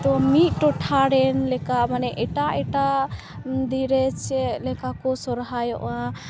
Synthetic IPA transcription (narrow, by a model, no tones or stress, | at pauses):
t̪ɔmit̪̚ˀʈɔʈʰaɾɛnlɛkamanɛʔɛʈaʔɛʈa | d̪iɾɛt͡ʃʰɛlɛkakɔsɔɾɦajɔ̰ʔã